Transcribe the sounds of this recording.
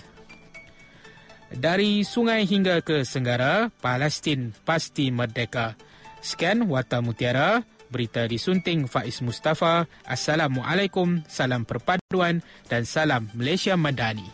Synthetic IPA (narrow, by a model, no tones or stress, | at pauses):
daɾisuŋãjɦiŋɡakəsəŋɡaɾapalɛst̪inpast̪imərdɛka | skɛnwart̪amũt̪iaɾabəɾit̪adisunt̪ɪŋfaʔismust̪afa | ʔasalamwaʔalajkʊmsalampərpaduandansalamːəlajsiamə̃dani